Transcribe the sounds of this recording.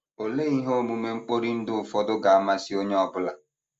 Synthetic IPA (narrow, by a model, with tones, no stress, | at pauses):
o˨le˦i˦ɦo˦˨mu˨me˦ŋ͡m̩˦k͡po˦ɾi˦n̩˦dʊ˦ʊ˨fɔ˦dʊ˦ɡa˨a˦ma˦si˦o˦ɲe˦ɔ˦bʊ˦la˨